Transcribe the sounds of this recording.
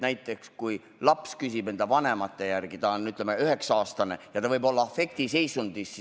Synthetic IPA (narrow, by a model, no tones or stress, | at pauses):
næjt̪ːˑe̞kskuj | lɑpskysibe̞nd̪evɑne̞mɑt̪ːe̞jærɡ̥it̪ɑonyt̪ːˑlemeyɦe̞ksɑːst̪ɑne̞jɑt̪ɑvɤjbo̞lːɑɑfe̞k̚t̪ise̞jsund̪̥isːi